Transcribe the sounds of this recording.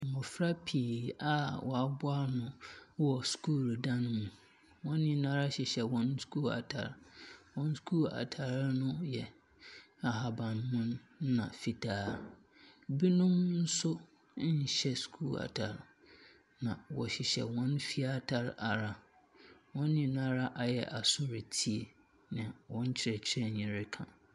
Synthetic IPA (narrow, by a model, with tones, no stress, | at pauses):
mʊ̃˨fɾa˦pʰi˨a˦wʔɔ˨a˨bʊ˦a˦ɾnʊ̃˦wɔ˨skʰuː˦˨ɾdã˦n˦mũ˨ | wɔ̃˦nɪ̃˦nãː˦ɾa˦ɕɪ˨ɕɛ˨wɔ̃˨˦nskʰuː˦˨la̰˨tʰa̰˨ɾwɔ̃˦n˦skʰu˦˨la̰˨tʰa˨ɾnʊ̃˦jɛ˨ | a˨ɦa˨bã˨nmʊ̃˦n˦nã̰˨fi˨tʰaː˦ | bi˦nʊ̃˦mn̩˦sʊ˦ | ɲ̩˨ɕɛ˦skʰuː˦˨la̰˨tʰa˨ɾ | nã˨wɔ̰˨ɕɪ˨ɕɛ̰˨wɔ̃˦nfi˦a˦tʰa˨ɾa˨ɾa˨ | wɔ̃˦nːɪ̃˨˦nã˦ɾa˦ʔa˨jɛ˨ʔa˨sʊ˦ɾe˨tʰi˦e˨ | nɪ̃˨wɔ̃˦ɲ˦t͡ɕʰɪ˦ɾɛ˨t͡ɕʰɪ˦ɾɛ˦ɲɪ̃˨ɾɪ˦kʰã̰˨